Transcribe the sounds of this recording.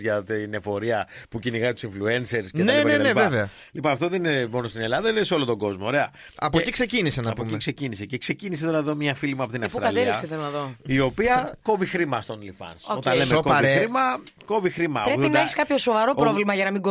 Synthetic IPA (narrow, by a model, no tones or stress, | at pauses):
ʝɐt̪ine̞fo̞ɾiɐpuciniɣɐzit̪u̥sĩɱflue̞nse̞ɾscetnepɐneɐnepɐeveɐ | lipɐɐft̪oðeninemo̞nost̪ine̞lɐðɐneseolot̪o̞ɡo̞zmoːɾe̞ɐ | ɐ̰poikse̞cinisenɐɐpomiksecinise̞ce̞kse̞cinis̬eoɾɐeðomɲɐfilimuɐpo̞t̪infɾɐɐtleliɐkseθelonɐðoio̞piɐko̞vixɾimɐst̪o̞nlifɐ̰nso̞t̪ɐnle̞mekoxɾimɐko̞vixɾimɐpɾeuðnɐeçskɐpçosovɐɾo̞pɾovlimɐʝɐnɐmiɡo